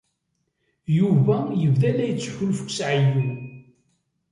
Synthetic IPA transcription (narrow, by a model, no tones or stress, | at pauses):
juvæjəvðælæjət͡sːçʊlfə̥kʷsʕiju